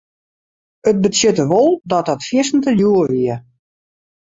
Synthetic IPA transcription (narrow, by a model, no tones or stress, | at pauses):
ət̚bəsjøtəʋolˠdɔt̚ɔtfjɪsn̩təljuəʋiə